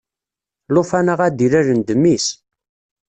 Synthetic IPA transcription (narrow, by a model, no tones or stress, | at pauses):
lʊfænaʁæd̪iɾæɾənd̪əmːis